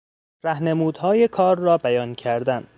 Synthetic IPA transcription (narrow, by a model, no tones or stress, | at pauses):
ɾæhne̞muːd̪̥hɒːje̞kʰɒːɾːɒːbæjɒːncʰæɾd̪æn